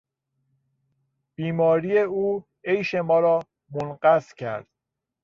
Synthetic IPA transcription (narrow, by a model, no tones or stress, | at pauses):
b̥iːmɒːɾiːjeuː | ejʃe̞mɒːɾɒː | monɢæscʰæ̰ɾd̪̥